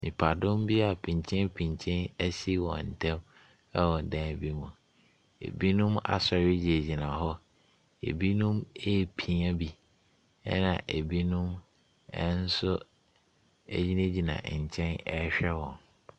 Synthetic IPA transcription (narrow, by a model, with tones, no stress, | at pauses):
mĩ˨pʰa˨dʊ̃˦mbi˦a˨pʰĩ˨ɲ˨t͡ɕʰɪ̃˦npʰĩ˨ɲ˨t͡ɕʰɪ̃˦næ˦si˦wɔ̰̃˨n̩˨tʰɛ̃˦m | ɛ˦wɔ̃˨n˨dã˦˨bi˦mũ˨ | ḛ˨bi˦nʊ̃˦ma̰˨sɛ˨ɾɪ˦d͡ʑi˨e˨d͡ʑi˨nã˨ɦɔ˦ | ḛ˨bi˦nũ˦me˦˨pʰĩ˨a˦bi˦ | ɛ˦nã̰˨ʔe˨bi˦nũ˦m | ɛ̰˦n̩˦sʊ˦ | ḛ˦d͡ʑi˦nẽ˦d͡ʑi˨nã̰˨ɲ̩˨t͡ɕʰɛ̃˦nɛ˦ɕᶣɛ˦wɔ̃˨n